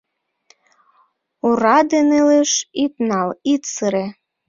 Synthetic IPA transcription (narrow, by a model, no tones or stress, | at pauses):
uɾɑd̪eneleʃit̪nɑlit̪səɾe